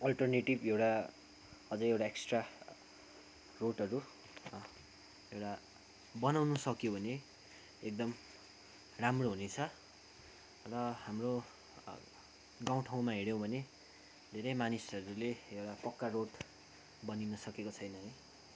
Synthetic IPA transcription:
ʌlʈʌrneʈibewʈa | ʌd͡zʌɾewʈaeksʈra | roʈʌɾu | ewʈa | bʌnawnʌsʌkjobʱʌne | ek̚d̪ʌm | ramroɦunet͡sʰʌ | rʌhamro | ɡaw̃ʈʰaw̃maɦeɽjõbʱʌne | d̪ʱeɾʌjmanisʌɾuleewʈapʌkːaroʈ | bʌninʌsʌkekot͡sʰʌjnʌɦʌj

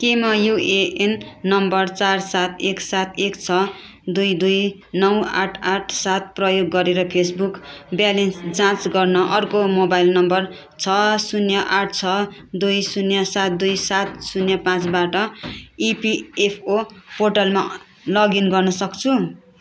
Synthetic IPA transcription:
kemʌjueenːʌmbʌrt͡sarsat̪ʰeksat̪ʰekt͡sʰʌ | d̪ujd̪uj | nʌwa̰ʈʰaʈʰsat̪̚prʌjoɡːʌɾeɾʌpʰesbukbjalensd͡zãt͡sɡʌrnʌʔʌrkomobajlnʌmbʌr | t͡sʰʌsunjʌʔaʈʰt͡sʰʌd̪ujsunjʌsat̪̚d̪ujsat̪̚sunjʌpãt͡sbaʈʌipiepʰoporʈalma | lʌɡinɡʌrnʌsʌkt͡sʰu

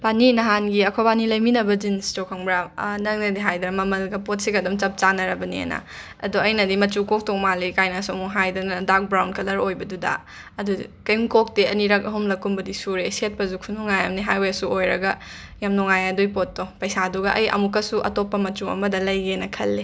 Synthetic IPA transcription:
paninɐɦanɡiɐkʰobanilɐjminɐbɐd͡ʒinstokʰɐŋbɾanɐŋnɐdiɦajdɐnɐmɐmɐlɡɐpot̚siɡɐdɔmt͡ʃɐp̚t͡ʃanɐɾɐbɐniḛna̰ | ɐ̰doɐjnɐdimɐt͡ʃukok̚toŋmalikajnasuɐmuŋɦajdɐnɐdak̚bɾawntkʰɐlɐɾojbɐdudɐ̰ː | dukɐjŋkok̚teɐniɾɐk̚ɐɦumlɐkːumbɐdisuɾeset̚pɐzukʰunoŋajamniɦajwesuojɾɐɡɐ | jamnɔŋajadojpot̚ːɔpɐjsaduɡɐʔɐjɐ̰mukːɐsuʔɐ̰topːɐmɐt͡ʃuɐ̰mɐdɐlɐjɡenɐkʰɐlːe

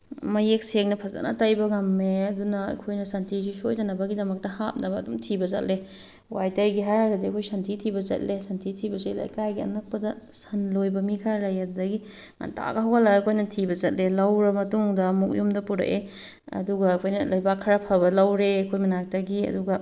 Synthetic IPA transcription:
mɐjek̚sek̚nɐpʰɐza̰nɐ̰tajbɐɡɐmeɐdunɐɐ̰kʰojnɐsɐntʰizisojdɐnɐbɐɡidɐmɐk̚tɐhap̚nɐbɐːdumtʰibɐzɐ̰t̚le | wajtɐjɡiɦajhaɡɐdiɐkʰojsɐntʰitʰibɐzɐ̰t̚lesɐntʰitʰibɐsejla̰jkajɡiɐ̰nɐk̚pɐdɐ | sɐnlojbɐmikʰaɾɐjɐdudɐɡi | ŋɐ̰nta̰ɡɐɦawɡɐlakʰojnɐtʰibɐzɐt̚lelɐwɾɐmɐtuŋdɐmuk̚jumdɐpuɾɐ̰ʔe | ɐ̰duɡɐːkʰojnɐlɐjbakʰːɐɾapʰaβɐlawɾeɐkʰojmɐnak̚taɡiɐ̰duɡɐ

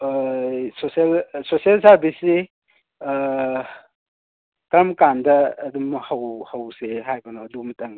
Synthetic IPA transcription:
soselsosielsaɾbisi | kɾɐmkandɐːdumhɐwhɐwseɦajbanoɐdumɐtɐŋ

